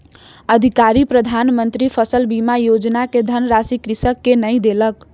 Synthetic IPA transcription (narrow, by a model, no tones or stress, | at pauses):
əd̪ʱikaɾipɾəd̪ʱanmənt̪ɾipʰəsəlbimajod͡ʒnaked̪ʱənɾasikɾisəkːenəjd̪elək